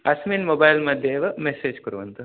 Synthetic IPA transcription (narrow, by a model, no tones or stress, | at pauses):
ɐsminmoːbajlmɐd̪ʱjeːʋɐmeseːd͡ʒkɐɾuʋɐnt̪u